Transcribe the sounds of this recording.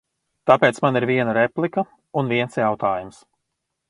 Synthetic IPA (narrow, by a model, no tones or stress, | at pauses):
t̪apeːt̪smaniɾviɛnaɾɛplˠikə | unviɛnsjawt̪aːjums